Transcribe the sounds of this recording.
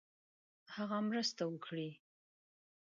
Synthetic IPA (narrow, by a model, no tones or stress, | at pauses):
haɣamɾəst̪awəkʰɽi